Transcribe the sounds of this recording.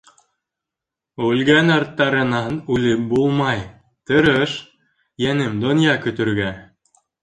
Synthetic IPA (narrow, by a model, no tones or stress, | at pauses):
ʉlɡænɑɾt̪ːɑɾɤ̆nɑnʉlɘp̚bulˠmɑj | t̪ɤ̆ɾɤʃ | jænɘmd̪ŏnjɑkɵ̆t̪ɵ̆ɾɡæ